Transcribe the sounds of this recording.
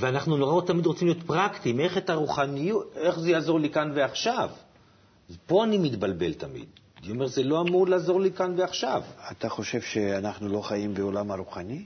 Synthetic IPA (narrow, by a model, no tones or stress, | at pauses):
veanaχnunoʁaot̪amid̪ʁo̞t͡simlijo̞t̪pʁakt̪ime̞χet̪aʁuχanijute̞χzejaːzo̞ʁlikanveaχʃav | zpo̞animit̪balbe̞̰lt̪amḭd̪ | niome̞ʁzelo̞amuʁlaːzo̞ʁlikanveaχʃavat̪aχo̞ʃe̞vʃeanaχnulo̞χaimbeolamaɾuχanʲi